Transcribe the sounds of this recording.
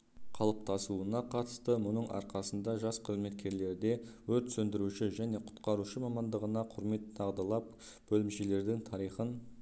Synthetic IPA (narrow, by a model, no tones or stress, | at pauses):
qʰɑlˠəp̚t̪ɑsuənɑqʰɑt̪ə̥st̪əmʊnəɴʔɑ̰ɾqɑsənd̪ɑʒɑsqʰəzme̞t̪̚kʲe̞ɾle̞ɾd̪e̞wɵɾt̪sɵnd̪ɪɾuʃɪʒæne̞qʰʊ̥t̪qɑɾuʃəmɑmɑnd̪əʁənɑqʰʊɾme̞t̪t̪ʰɑʁd̪ɑlˠɑp̚ | b̥ɵlɪmʃele̞ɾd̪ɪŋt̪ʰɑɾijχən